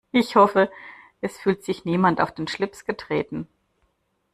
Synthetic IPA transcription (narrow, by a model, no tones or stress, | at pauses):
ʔɪçhɔfə | ʔɛsfyːltz̥ɪçniːmantaʊfd̥eːnʃlɪpsɡ̥ətʁ̥eːtn̩